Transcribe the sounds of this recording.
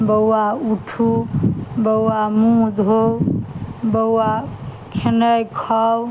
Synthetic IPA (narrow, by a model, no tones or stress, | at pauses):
bəwwauʈʰu | bəwamũd̪ʱow | bəwa | kʰenəjkʰɔw